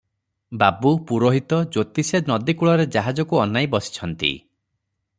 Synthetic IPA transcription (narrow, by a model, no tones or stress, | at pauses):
babupuɾoɦit̪ɔd͡ʒot̪isenɔd̪ikuɭɔɾed͡ʒaɦad͡ʒɔkuɔnajbɔsi̥t͡ʃʰɔnt̪ḭ